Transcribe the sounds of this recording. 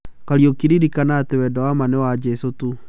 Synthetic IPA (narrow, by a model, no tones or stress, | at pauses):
kaɾiokiɾiɾikanaːtewɛdɔwamanɛwad͡ʒɛsotu